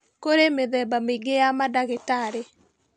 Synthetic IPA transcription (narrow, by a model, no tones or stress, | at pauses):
koɾemeðɛbameiɡejamadaɣetaɾe